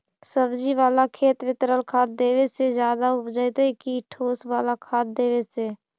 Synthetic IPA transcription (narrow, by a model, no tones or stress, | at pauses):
səbd͡ʒiʋaːlakʰeːt̪ʋɪt̪ɾəlkʰaːd̪̚d̪eːwesed͡ʒjaːd̪aʊpd͡ʒəjt̪ːkiʈʰoːswaːlakʰaːd̪̚d̪eːwese